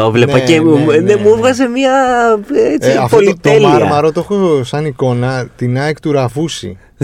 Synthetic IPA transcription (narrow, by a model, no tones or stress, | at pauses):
ovlenpɐcenemuevɣɐzemiɐ | et͡siɐfpolit̪olmiɐmɐɾot̪oxosɐniko̞nɐt̪inɐekt̪uɾɐvusḭ